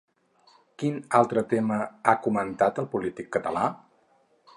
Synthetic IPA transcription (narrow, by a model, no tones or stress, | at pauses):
kinalˠt̪ɾət̪eməakumənt̪at̪əlˠpulit̪ikːət̪əla